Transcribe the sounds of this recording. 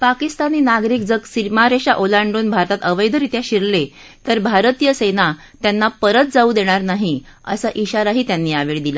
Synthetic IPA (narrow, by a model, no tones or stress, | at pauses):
pakist̪aniːnaɡɾiːk̚d͡zəɡsimaɾeɕaʔolaɳɖuːnbʱaɾt̪at̪əʋəjd̪ʱəɾit̪jaɕiɾle | t̪əɾbʱaɾt̪ijəsena | t̪janːapəɾət̪̚d͡zauːd̪eɽ̃aɾnaɦi | ə̰səʔiɕaɾaɦiːt̪janːiːaʋeɭd̪ila